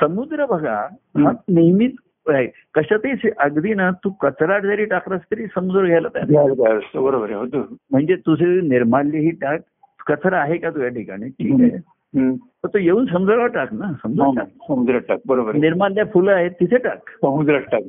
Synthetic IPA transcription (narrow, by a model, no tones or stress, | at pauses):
səmud̪ɾəbʱəɡa̰ | ɦaniɦmit̪ | ae | kəɕat̪isʔəɡd̪inat̪ũkət͡sɾaʈ̚d͡zaɾiːʈakɾast̪əɾiːsəmud͡z̪ɾəɡʱjajlət̪a̰nakaəst̪əbəɾobəɾɦot̪um̤əɳd͡zet̪useniɾmalːjeɦiːʈak̚ | kət͡sʰɾaaɦekat̪̬ujaʈʰika̰ɽ̃iʈʰiːk | t̪ət̪ujeuːnsəmd͡zəɾʋaʈaknasəmud͡zɾasəmud̪ɾəʈak̚bəɾobəɾniɾmallːjafulaɦet̪ːit̪ʰeʈa̰ksəmud̪ɾəʈak̚